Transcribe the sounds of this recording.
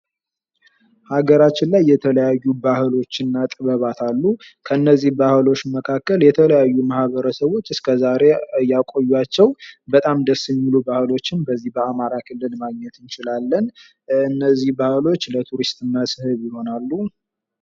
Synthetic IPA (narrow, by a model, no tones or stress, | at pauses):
haɡəɾat͡ʃːɪnlajːɛt̪ʰələjajːubahɨlo̞t͡ʃːɨnːat̪ʼɨβəβat̪ʰalːu | kʰəɨnːəzːihbahɨlo̞t͡ʃːməkʰakːəljɛt̪ʰələjajːumahβəɾəsəβo̞t͡ʃːɨskʰəzaɾe̞jakʼo̞jːuat͡ʃːɛwbət̪ʼamd̪əsːɨmːilubahɨlo̞t͡ʃːɪnbəzːihbəamaɾakʰɨlːɨlmaɡɲɛt̪ɨnt͡ʃɪlalːən | ɨnːəzːihbahɨlo̞t͡ʃːlət̪ʰuɾist̪ʼɨnːasɨhɨβjɪho̞nalːu